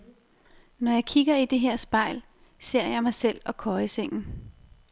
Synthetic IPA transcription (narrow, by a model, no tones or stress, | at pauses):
nɒjɑ̈ɪkʰiɡ̥ɐid̥e̝ɦɛɐ̰sb̥ɑ̈ɪ̰l | se̝ɐ̰jɑ̈ɪmɑ̈ɪsel̰ɒ̽kʰɒːəseŋ̰n̩